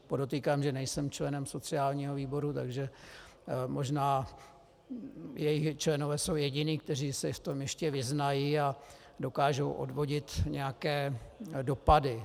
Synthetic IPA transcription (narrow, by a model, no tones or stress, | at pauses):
podo̞t̪iːkaːmʒɛnɛjsɛmt͡ʃlɛnɛmso̞t͡sɪaːlɲiːɦo̞viːbo̞ɾut̪a̰ɡʒɛ | mo̞ʒnaː | jɛjɪxt͡ʃlɛnovɛːso̞wjɛɟɪniːkt̪ɛr̝iːsɪft̪o̞mjɛʃcɛvɪznajiːa | do̞kaːʒo̞wʔo̰dvo̞ɟɪt̪ɲɛjakɛːdopadɪ